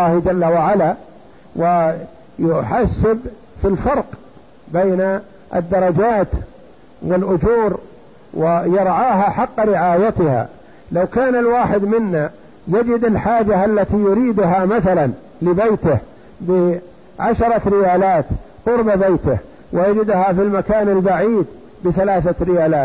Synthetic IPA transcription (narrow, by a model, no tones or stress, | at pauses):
aːhd͡ʒalːawaʕala | wɪ | jʊħasːɪb | filfɑɾˤq | bejna | ʔa̰d̪ːɑɾˤɑd͡ʒaːt̪ | wɪlʔʊd͡ʒuːɾ | wajɑɾˤʕaːɦaħɑqːɾɪʕaːjat̪ɪha̰ | lawkaːnalwaːħɪd̪mɪnːa | jad͡ʒɪd̪ɪlħaːd͡ʒaalːat̪ijʊɾiːd̪ʊɦamaθalan | lɪbejt̪ɪh | bɪ | ʕaʃɑɾˤɑɾɪjaːlaːt̪ | qʊɾbabejt̪ɪh | wɪjad͡ʒɪd̪ʊhafilmakaːnalbaʕiːd̪ | bɪθalaːθaɾɪjaːlaːt̪